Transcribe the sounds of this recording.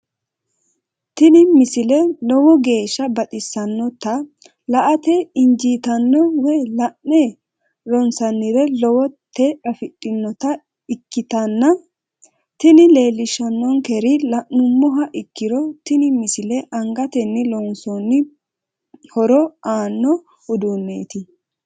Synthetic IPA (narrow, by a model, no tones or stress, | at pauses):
t̪ɪnɪmɪsɪlɛlɔwɔɡe̞ːʃːɐbɐt̪ʼɪsːɐnːɔt̪ːɐ | lɐʔɐt̪ɛɪnd͡ʒiːt̪ɐnːɔwɛlɐʔnːɛ | lɔnsɐnːɪɾɛlɔwɔt̪ːɛʔɐfɪtʼːɪnːɔt̪ɐ | ɪkːɪt̪ɐnːɐ | t̪ɪnɪle̞ːlːɪʃɐnːɔŋkɛɾɪlɐʔnʊmːɔɦɐʔɪkːɪɾɔt̪ɪnɪmɪsɪlɛʔɐŋɡɐt̪ɛnːɪlɔnsɔnːɪ | hɔɾɔaːnːɔ | ʊd̪unːeːt̪ɪ